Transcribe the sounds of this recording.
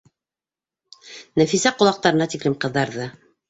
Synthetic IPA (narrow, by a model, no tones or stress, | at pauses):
næfisæqŏlˠɑq̚t̪ɑɾɤ̆nɑt̪iklɘmqɤ̆ðːɑɾðɤ